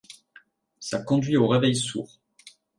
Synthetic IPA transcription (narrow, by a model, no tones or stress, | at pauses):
sakɔ̃d̪ɥioʁevɛjsṵːʁ